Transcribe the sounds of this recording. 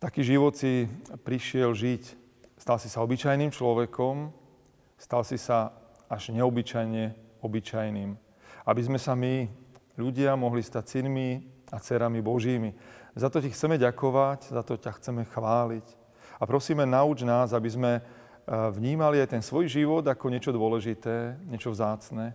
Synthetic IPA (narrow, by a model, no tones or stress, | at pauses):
t̪akiːʒiʋɔt̪sipɾiʃɪɛlʒic | st̪alsisaɔbit͡ʃajnimt͡ʃlɔʋɛkɔm | st̪alsisa | aʒɲɛɔbit͡ʃajɲɛɔbit͡ʃajniːm | abizmɛsamiʎuɟɪamɔɦlist̪acsinmiat͡sɛɾamibɔʒiːmizat̪ɔcixt͡sɛmɛɟakɔʋaɟzat̪ɔcaxt͡sɛmɛxʋaːlic | apɾɔsiːmɛnaud͡ʒnaːzabizmɛ | vɲiːmaliajt̪ɛnsʋɔjʒiʋɔd̪akɔɲɪɛt͡ʃɔd̪ʊɔlɛʒit̪ɛːɲɛt͡ʃɔvzaːt͡snɛː